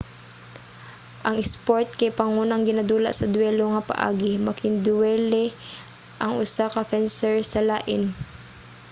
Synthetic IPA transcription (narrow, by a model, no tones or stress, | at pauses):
ʔɐŋɛspoɹt̪̚kɐjpɐŋuːnɐŋɡɪnad̪uːlɐ̰ʔsɐd̪ʊwɛloŋɐpɐ̰ʔa̰ːɡɪmɐkɪnd̪ʊwɛlɛ | ʔɐŋʊsakɐfɛnsɛɹsɐlaːʔɪn